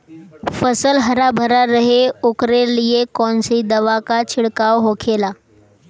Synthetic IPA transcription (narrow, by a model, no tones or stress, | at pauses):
fəsəlɦəɾabʱəɾaɾəɦeukɾelijekɔnsid̪əʋakat͡ɕʰiɽkaʋɦokʰela